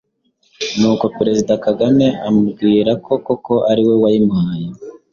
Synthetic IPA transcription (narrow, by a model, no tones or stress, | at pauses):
nuːko̞peɾe̞zidakaɡame̞amubɡiːɾakʰo̞ko̞ko̞ʔaɾiwe̞wajimhaːje